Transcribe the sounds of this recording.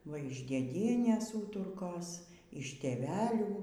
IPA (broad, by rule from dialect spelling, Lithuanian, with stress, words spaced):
ˈʋɐ ɪʃ dʲeːˈdʲiɛnʲeːs ˈuːtʊrkoːs ɪʃ tʲeːˈʋʲæːlʲuː